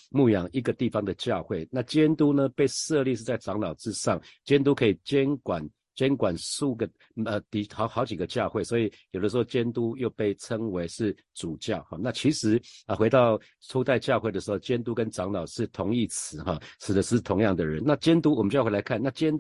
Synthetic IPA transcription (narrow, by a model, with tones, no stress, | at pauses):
mu˥˩jɑ˧˥ŋi˦˥ɡə˨˧t̪i˥˩fɑ˦ŋd̪ə˨t͡ɕjɑ˥˧ʊxwe˥˩ɪna˥˨t͡ɕjɛ˦˥nt̪u˥˦nə˨pe˥˧ɪʂɤ˥˧li˥˧ʂ̬̩˥˩t͡sa˥˩ɪʈ͡ʂɑ˧˥ŋlɑ˨˩ʊʈ͡ʂɻ̩˥˧ʂɑ˥˩ŋt͡ɕjɛ˥nt̪̬u˥kʰɤ˧˥i˨˩t͡ɕjɛ˦nkwa˨˩n | t͡ɕjɛ˥nkwa˨˩nsu˥˧˩ɡə˨ | ə˧t̪i˨˩xɑ˧˦xɑ˧˥ʊt͡ɕi˨˩ɡə˩t͡ɕjɑ˥˧ʊxwe˥˩ɪswɔ˧˥i˨˩jo˨˩ʊdə˩ʂɻ̩˧˥xo˥˧ʊt͡ɕjɛ˦˥nt̪u˦jo˥˧ʊpe˥˩ɪʈ͡ʂʰə˦ŋwe˧˥ɪʂɻ̩˥˩ | t͡su˨˩t͡ɕjɑ˥˨ʊxɔ˨˩na˥˨t͡ɕʰi˧˥ʂɻ̩˧˥ə˨˩xwe˧˥ɪt̪ɑ˥˩ʊ | ʈ͡ʂʰu˥t̪a˥˧ɪt͡ɕjɑ˥˧ʊxwe˥˩ɪd̪ə˩ʂɻ̩˧˥xo˥˧˩ʊt͡ɕjɛ˥nt̪u˥˦kə˦nʈ͡ʂɑ˧˥ŋlɑ˨˩ʊʂɻ̩˥˩t̪ʰʊ˧˦˥ŋi˥˩t͡sʰɹ̩˧˦xɔ˥˩ʂʰɻ̩˨˩d̪ə˦ʂɻ̩˥˩t̪ʰʊ˧˥˦ŋjɑ˥˩ŋd̪ə˩ɻə˦nna˥˨t͡ɕjɛ˥nt̪u˥wɔ˨˩mə˦nt͡ɕjxe˥˩la˧˦ɪkʰa˥˧˨na˥˩t͡ɕjɛ˥n